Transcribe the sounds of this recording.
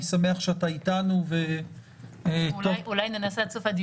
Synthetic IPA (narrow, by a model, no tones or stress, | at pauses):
isame̞aχʃeataitanuve | oulajnenasasofad̪i